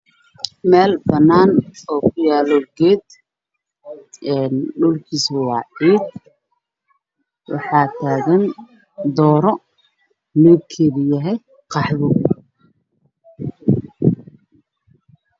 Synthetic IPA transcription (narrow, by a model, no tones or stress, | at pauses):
mɛːlbɐnːaːnɔːkʰʊjaːlɔɡɛːd̪ | ɛːnɖʊlkʰiːswɑːʕiːd̪̚ | wɑ̰ħɑːt̪ʰaːɣɐn | d̪ɔːɾɔ | nɪβkʰɛːβjɐɦɛj | qɑħβʊ